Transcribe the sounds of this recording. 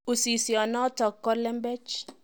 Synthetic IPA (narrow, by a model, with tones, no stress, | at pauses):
u˨si˨si˨ɔ˨nɔ˦tɔ˨kːɔ˦lɛ˦mbɛ˦t͡ʃ